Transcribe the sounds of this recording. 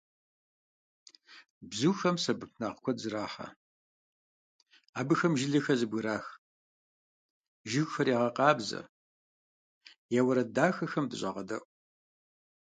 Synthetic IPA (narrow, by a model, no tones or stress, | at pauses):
bzuxɐmsɐbɨpʰnaːqkʷʰɔzɨɾaːħɐ̰ | aːbɨxɐmʒɪɮɐxɐzɨbɣɨɾaːx | ʒɪɣxɐɾiːʁɐqɑːbzɐ̰ | jawɐɾɐdaːxɐxɐmdɨɕʼɐ̰ʁɐdɐ̰ʔʷʼ